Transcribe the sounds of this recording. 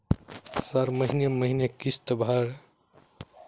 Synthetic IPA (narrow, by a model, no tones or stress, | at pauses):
səɾməɦineməɦinekist̪bʱaɾ